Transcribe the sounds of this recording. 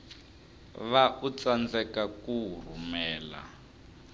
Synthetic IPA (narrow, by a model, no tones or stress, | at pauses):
βaʔut͡sand͡zɛkakur̤umɛːla̰